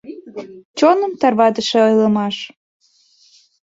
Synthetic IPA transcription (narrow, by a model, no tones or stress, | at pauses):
t͡ɕonə̆mt̪ɑrβɑd̪əʃĕojləmɑʃ